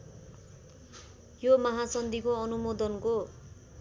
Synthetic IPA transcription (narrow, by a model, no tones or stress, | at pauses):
jomʌɦasʌnd̪ʱikoʌnumod̪ʌnko